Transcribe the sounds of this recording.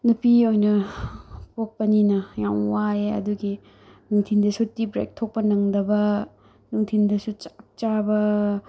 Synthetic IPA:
nupiojnɐ | pok̚pɐninɐjawwaeɐ̰duɡi | nuŋtʰindɐsutibɾḛk̚tʰok̚pɐnɐŋdɐbɐ | nuŋtʰindɐsut͡ʃak̚t͡ʃabɐ

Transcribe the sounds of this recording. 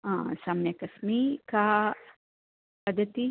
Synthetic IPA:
ãsamnjɐkɐsmika | pɐd̪ɐt̪i

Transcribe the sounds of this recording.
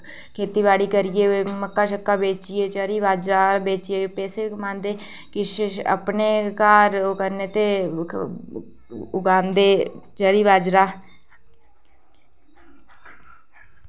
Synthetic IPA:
kʰeːt̪iːʋaːɽiːkəɾɪjeːməkːaːʃəkːaːbeːt͡ʃɪeːt͡ʃəɾiːʋaːd͡ʒɾaːbeːt͡ʃɪeːpɛːseːkmãːnd̪eː | kɪʃə̰pneːkaːɾokəɾneːt̪eː | ʊɡaːnd̪eːt͡ʃəɾiːʋaːd͡ʒɾaː

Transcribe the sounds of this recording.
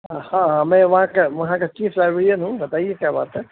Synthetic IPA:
hãɦãmɛ̃ʋɐɦãkeʋɐɦãket͡ʃiːfʰɾaɪbɽijənɦũbɐt̪aːiekjaːba̰ːt̪ɦɛ

